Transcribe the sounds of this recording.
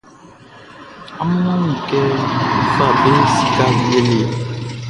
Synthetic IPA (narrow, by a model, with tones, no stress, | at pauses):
a˦m˦nɔ˦m̩˨kɛ˦m̩˦fa˦˨be˦si̥˦ka˦˨je˦le˨